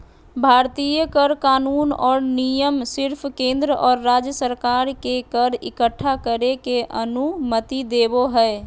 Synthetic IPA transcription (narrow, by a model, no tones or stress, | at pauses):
bʱaɾt̪ijəkəɾkaːnunɔːɾnijəmsɪɾpʰkẽnd̪ɾəʔɔːɾːad͡ʒjəsəɾkaɾkekəɾḭkəʈʰːakəɾekeʔə̰numət̪id̪eboɦəe